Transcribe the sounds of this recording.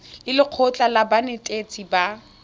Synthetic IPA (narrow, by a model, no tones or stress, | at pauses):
lɪlɪq͡χʰɔt͡ɬʼalabanetʼet͡sʼiba